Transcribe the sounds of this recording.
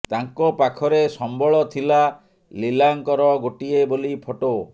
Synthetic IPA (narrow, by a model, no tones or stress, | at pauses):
t̪aŋkɔpakʰɔɾesɔmbɔɭɔt̪ʰila | lilaŋkɔɾɔɡoʈiebolipʰoʈo